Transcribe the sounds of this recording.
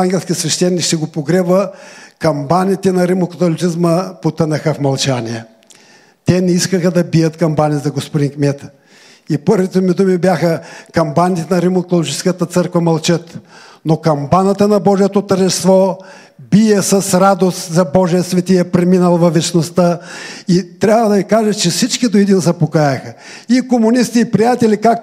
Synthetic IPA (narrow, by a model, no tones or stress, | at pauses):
aŋɡʲɛlˠʲskisvɛʃt̪ɛnːikʃt̪ɛɡopoɡɾɛvəkɐmbanit̪ɛnɐɾimokɐt̪olʲit̪sizməpot̪ənɐxəfmɐlˠt͡ʃaniɛ | t̪ɛnɛiskəxəd̪ɐbijət̪kɐmbanizɐɡospod̪inkmʲɛt̪ | ipɤɾvit̪omid̪umibjaxəkɐmbanit̪ɛnɐɾimok̪ˠolˠoit͡ʃɛ̥skət̪ət̪sɤɾkvɐmɐlˠt͡ʃət̪ | nokɐmbanət̪ənɐbɔʒijɛt̪ot̪əɾʒɛst̪vɔ | bijɛsɐsɾad̪ost̪zɐbɔʒijəsvɛt̪iɛpɾɛminəlˠvɐvɛt͡ʃnost̪əit̪ɾʲabvəd̪ɐikaʒət͡ʃɛfsit͡ʃkid̪oid̪inzɐpokajɐxɐ | ikomʊnist̪iːpɾijat̪ɛlikak̚t